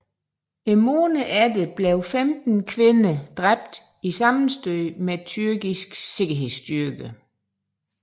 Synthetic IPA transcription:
emoːnəʔædəb̥leʊfemd̥n̩kʰʋe̝nəd̥ʁab̥d̥ | isɑ̈mn̩sd̥øɪmet͡sʰyɐɡ̥isɡ̥se̝ɡ̥ɐɦe̝ð̰ˠsd̥yɐɡ̥ə

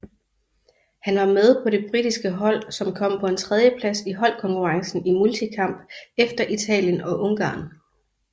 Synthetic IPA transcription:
hænʋɑ̈með̞ˠpʰɒ̽ɾe̝b̥ʁid̥isɡ̥əɦɒ̽l̰sɒ̽mkʰɒ̽m̰pʰɒ̽e̝nt͡sʰʁɛð̞ˠjəpʰlæsiɦɒ̽l̰kʰɒ̽ŋkʰuʁɑ̈ŋsn̩imult͡sʰikʰɑ̈m̰b̥efd̥ɐʔit͡sʰɛ̰ːljənɒ̽ʔo̽ŋɡ̥ɑ̰̈ːn

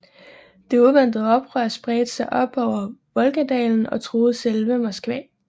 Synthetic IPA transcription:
d̥e̝uðˠʋen̰d̥ð̩ˠɒ̽b̥ʁɶɐ̰sb̥ʁɛːd̥əsɑ̈ɪʔɒ̽b̥ɒʊ̰ɐʋɒ̽lɡ̥æd̥ɛ̰ːln̩ɒ̽t͡sʰʁo̝ːð̞̩ˠselʋəmɒsɡ̥ʋɛ̰ː

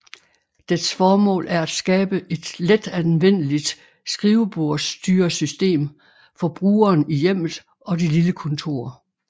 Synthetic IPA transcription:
d̥esfɒːmɔ̰̽ːlʔæɐæd̥sɡ̥ɛːb̥əʔe̝d̥led̥ænʋen̰əlid̥ | sɡ̥ʁiːʊb̥o̝ɐ̰sd̥yːɐsysd̥e̝̰ːm | fɒ̽b̥ʁuːɐːnijem̰ð̩ˠ | ɒ̽dililəkʰɔ̽nt͡sʰo̝̰ːɐ

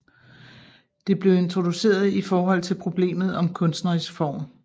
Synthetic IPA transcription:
d̥e̝b̥le̝ʊe̝nt͡sʰʁo̝d̥use̝̰ːɐð̞ˠifɒːɦɒ̽l̰t͡sʰe̝lpʰʁo̝b̥le̝̰ːmð̩ˠɒ̽mkʰɔ̽nsd̥nɐʁisfɒ̰ːm

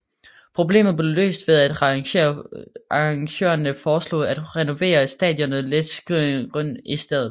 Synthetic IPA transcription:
pʰʁo̝b̥le̝̰ːmð̞̩ˠb̥le̝lø̰ːsd̥ʋe̝ðˠæd̥ɐʔɑɑŋɕø̰ːɐnəfɒːslɔ̰ːæd̥ʁɛno̝ʋe̝̰ːɐsd̥ɛ̰ðˠjɔ̽nð̩ˠled̥sɡ̥ʁiɡ̥ʁœn̰isd̥eðˠð̩ˠ

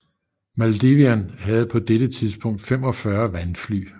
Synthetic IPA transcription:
mæld̥eʋiænɦæð̞̩ˠpʰɒ̽d̥eɾ̥ət͡sʰiðˠsb̥ɔ̽ŋ̰d̥fem̰ɒ̽fɶɐʋænfly̰ː

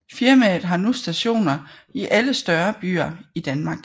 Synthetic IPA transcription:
fiɐmɛð̩ˠɦɑ̈nusd̥æɕo̝̰ːnɐ | iʔæləsd̥ɶɐb̥y̰ːɐid̥ænmɑ̈ːɡ̥

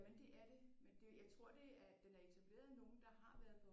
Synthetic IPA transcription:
mend̥e̝ʔæɐd̥e̝mend̥e̝jɑ̈ɪt͡sʰʁo̝ɐ̰d̥e̝æd̥enæɐet͡sʰæb̥le̝̰ːɐðˠno̝ːn̩d̥ɑ̈ɦɑ̈ʋæɐð̩ˠpʰɒ̽

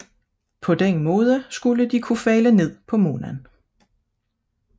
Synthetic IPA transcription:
pʰɒ̽d̥enmɔ̽ːð̞ˠəsɡ̥uləd̥ikʰufɛːləne̝ð̞̰ˠpʰɒ̽mo̝ːnæn

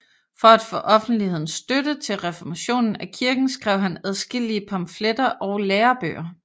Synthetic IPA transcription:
fɒ̽æd̥fɔ̰ːʔɒ̽fn̩d̥lihe̝ð̰ˠn̩sːd̥ødət͡sʰe̝lʁɛfɒmæɕo̝̰ːnn̩ækʰiɐɡ̥n̩sɡ̥ʁɛʊ̰hænæð̞ˠsɡ̥el̰iəpʰɑ̈mfled̥ɐʔɒʊleːɐb̥ø̰ːɐ

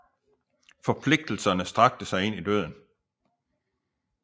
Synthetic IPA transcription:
fɒ̽pʰle̝ɡ̥̚d̥l̩sɐnəsd̥ʁɑ̈ɡ̥̚d̥əsɑ̈ɪe̝nid̥øð̞̰ˠn̩

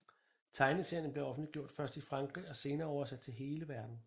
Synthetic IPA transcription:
t͡sʰɑ̈ɪnisen̩ble̝ɒ̽fn̩liɡ̥jo̝ɐ̰d̥fɶɐsd̥ifʁɑ̈ŋɡ̥ʁḭɒ̽se̝ːnɐːɒ̰ʊɐsæd̥̚t͡sʰe̝lɦe̝ːləʋæɐd̥n̩

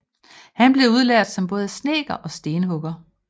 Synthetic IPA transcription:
hænb̥le̝uð̞ˠlæɐ̰d̥sɒ̽mb̥ɔ̽ːð̞ˠəsne̝̰ːɡ̥ɐʔɒ̽sd̥e̝ːnəɦɔɡ̥ɐ

